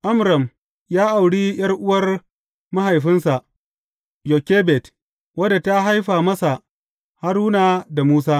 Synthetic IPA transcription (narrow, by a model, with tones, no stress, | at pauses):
ʔa˦mɾɐ˨m | jaː˦ʔa˨wɽiː˦j̰ɐ˦rʔʊ˦wɐ˦r | ma˦ɦa˨jɸɪ˦nsa˨ʔ | jo˨kʲeː˦bɛ˨t | wɐ˦da˨ta˦ɦa˦jɸaː˨mɐ˦sa˨ʔ | ha˦ɾuː˦naː˨da˨muː˦s̬aː˦